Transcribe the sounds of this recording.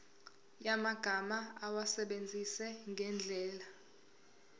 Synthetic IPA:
jamaɡ̥ʱamaawasɛɓend͡zʱisɛŋɡʱɛnd͡ɮʱɛːla

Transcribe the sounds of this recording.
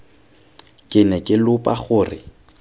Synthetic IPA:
kʼɪnɛkʼɪlʊpʼaχʊːrɪ

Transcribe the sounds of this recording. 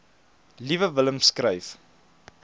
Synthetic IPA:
livəvələmskrəjf

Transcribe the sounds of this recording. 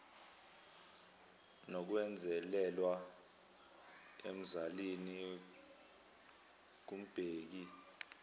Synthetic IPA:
nok̬wɛnd͡zʱɛlɛlwa | em̩zalini | k̬um̩b̥ʱeːk̬i

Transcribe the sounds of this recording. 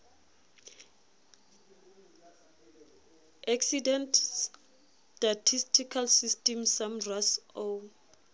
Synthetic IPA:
aksidɛ̃nt | tatʰistʰikʰalsistʼɛmsamraso

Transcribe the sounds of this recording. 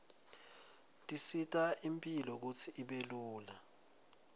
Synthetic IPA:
tʼisitʼaimpʼilɔk̬ut͡sʰiiɓeluːla

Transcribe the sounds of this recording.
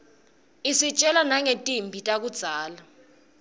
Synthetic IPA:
isit͡ʃʼɛlanaŋetʼimbʱitʼak̬ud̥z̥ʱaːla

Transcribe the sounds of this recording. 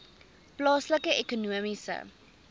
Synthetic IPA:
plɑːsləkəʔekonuəmisə̰

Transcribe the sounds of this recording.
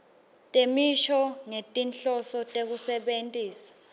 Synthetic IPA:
tʼemiʃɔŋetʼinɬɔsɔtʼek̬usɛɓentʼiːsḁ

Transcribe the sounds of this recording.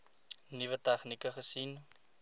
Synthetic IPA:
nivətɛχnikəχəsin

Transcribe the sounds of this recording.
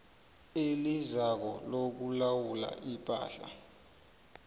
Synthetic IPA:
elizak̬ɔlok̬ulawula̰ʔipʼa̰ːɬa̰

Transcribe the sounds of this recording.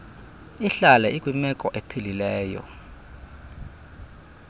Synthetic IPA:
iɬalɛikʼwimɛkʼɔʔepʰililɛːjɔ̰

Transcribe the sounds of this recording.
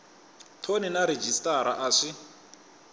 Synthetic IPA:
tʰoninaɾed͡ʒistʼaɾaʔaʂi

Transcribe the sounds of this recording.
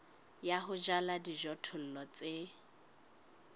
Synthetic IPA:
jaɦʊd͡ʒaladiʒɔtʰʊl̩lɔt͡sʼe

